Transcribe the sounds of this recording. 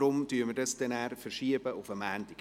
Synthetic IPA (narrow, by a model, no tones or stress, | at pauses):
ɾʊmtyəɾməɾdɑsd̥ɛnæːɾfəɾʃiəbəʔʊfəmæːndɪɡ